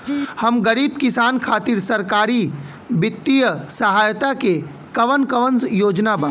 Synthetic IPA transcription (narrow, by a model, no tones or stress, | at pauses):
həmɡəɾiːb̚kɪsaːnkʰaːt̪iɾsɐɾkaːɾi | bɪt̪ːijəsəɦaːjt̪ake | kɐʋənkəʋənjoːd͡ʒnaba